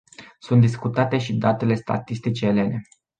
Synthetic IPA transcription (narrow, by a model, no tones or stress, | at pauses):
sunt̪d̪iskut̪at̪e̞ʃid̪at̪e̞le̞st̪a̰t̪ist̪it͡ʃe̞ːle̞ne̞